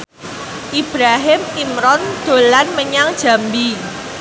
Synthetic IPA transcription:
ʔib̥ɾaɦɪmimɾɔnd̪̥o̤lanməɲaŋd̥ʒ̥a̤mbi

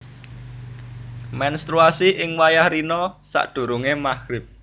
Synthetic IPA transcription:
mɛnst̪ɾuasiʔɪŋwajahɾinɔsa̰ʔɖ̥ṳɾuŋemaxɾɪp̚

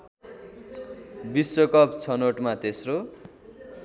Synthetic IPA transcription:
bisːokʌpt͡sʰʌnoʈmat̪esro

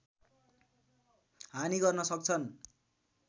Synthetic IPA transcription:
ɦaniɡʌrnʌsʌk̚t͡sʰʌn

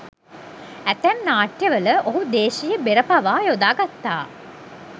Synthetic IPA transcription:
æt̪æmnaːʈjɐʋələʔoɦud̪eːʃijəbeɾəpaʋaːjod̪aːɡat̪ːa̰ː

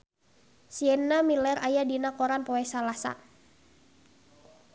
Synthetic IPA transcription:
siɛnːamilɛɾʔajadinakɔɾanpɔɛsalasa̰

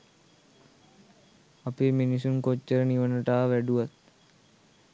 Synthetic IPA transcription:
apiminis̬unkot͡ʃːəɾəniʋənəʈaːʋæɖuʋat̪̚

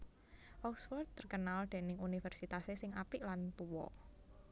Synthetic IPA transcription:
ʔɔksfɔrd̪̚t̪ːərkənald̪̥e̤nɪŋunifɛrsit̪asesɪŋapɪʔlant̪uwɔ̰

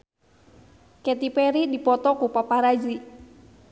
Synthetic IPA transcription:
kɛt̪ipɛɾidipɔt̪ɔkupapaɾad͡ʒi

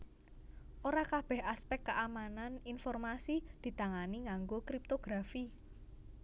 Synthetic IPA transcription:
ʔoɾakab̥ɛ̤haspɛkːəʔamananinfɔrmasid̪̥i̤t̪aŋaniŋaŋɡokɾip̚t̪oɡ̥ɾafi

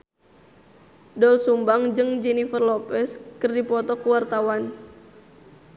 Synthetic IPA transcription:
dɔlsumbaŋd͡ʒɨŋd͡ʒɛnifərlɔpɛskɨrdipɔt̪ɔkuwart̪awan

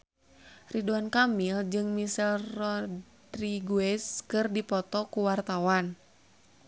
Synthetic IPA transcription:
riduankamild͡ʒɨŋmisɛlrɔdriɡuɛskɨrdipɔt̪ɔkuwart̪awan

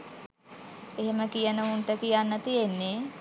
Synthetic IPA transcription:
eɦeməkijənəunʈəkijanːət̪ienːe

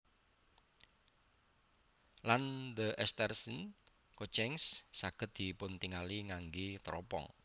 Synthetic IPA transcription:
land̪əʔɛst̪ɛrsən | kot͡ʃɛŋsːaɡ̥ə̤t̪̚d̪̥i̤pʊnt̪iŋaliŋaŋɡet̪ɾɔpɔ̰ŋ

